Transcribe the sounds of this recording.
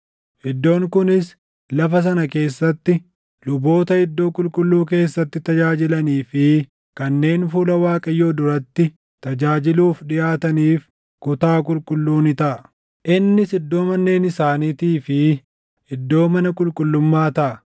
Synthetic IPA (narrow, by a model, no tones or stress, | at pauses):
hɪd̪ːo̞ːŋkʊnɪs | lɐfɐs̬ɐnɐke̞ːsːɐt̪ːɪ | lʊbo̞ːt̪ɐhɪd̪ːo̞ːkʼʊlkʼʊlːuːk̬e̞ːsːɐt̪ːɪt̪ɐd͡ʒaːd͡ʒɪlɐniːfɪ | kɐnːe̞ːnfuːlɐwaːkʼɐjːo̞ːd̪ʊɾɐt̪ːɪ | t̪ɐd͡ʒaːd͡ʒɪluːfᶑɪjaːt̪ɐniːf | kʊt̪aːk̬ʼʊlkʼʊlːuːnɪt̪ɐʔɐ | ʔɪnːɪsɪd̪ːo̞ːmɐnːe̞ːnɪsaːniːt̪iːfɪ | ɪd̪ːo̞ːmɐnɐkʼʊlkʼʊlːʊmːaːt̪ɐʔɐ